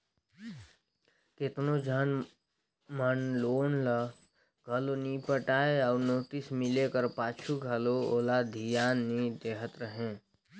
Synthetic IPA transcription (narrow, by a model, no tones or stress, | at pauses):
ket̪nod͡ʒʱaːn | mənloːnlə | ɡʱəloniːpəʈaːeɔːɾnoːt̪ɪsmɪlekəɾpaːt͡ʃʰuɡʱəlooːlad̪ʱijaːnːid̪eːɦət̪ɾəɦẽː